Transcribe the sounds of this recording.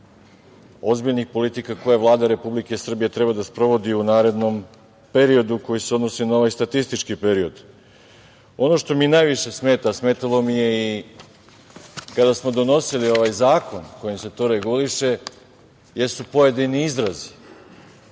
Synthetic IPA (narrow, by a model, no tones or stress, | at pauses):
o̞zbiʎnixpo̞lit̪ikako̞jaʋlˠaːd̪aɾe̞publike̞sr̩bije̞t̪ɾe̞bad̪aspɾo̞ʋo̞d̪iunaːɾe̞d̪no̞m | pe̞ɾio̞d̪uko̞jise̞o̞d̪no̞sinao̞ʋajst̪at̪ist̪it͡ʃkipe̞ɾio̞d̪ | o̞no̞ʃt̪o̞minajʋiʃe̞sme̞ːt̪asme̞ːt̪alˠo̞mije̞i | kad̪asmo̞d̪o̞no̞silio̞ʋajzaːko̞nko̞jimse̞t̪o̞ɾe̞ɡuliʃe̞ | je̞st̪upo̞jed̪iniizɾazi̥